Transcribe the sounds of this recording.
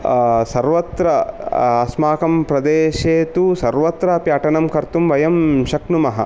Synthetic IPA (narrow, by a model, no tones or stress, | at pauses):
sɐɾʋɐt̪ɾɐɐsmaːkɐmpɾɐd̪eːʃeːt̪usɐɾʋɐt̪ɾɐɐpjaːʈɐnɐmkɐɾt̪umʋɐjɐmʃɐknumɐɦɐ̰